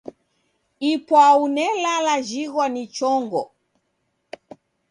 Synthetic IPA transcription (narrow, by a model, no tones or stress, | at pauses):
ipwaunɛlalaʒiɣwanit͡ʃɔŋɡɔ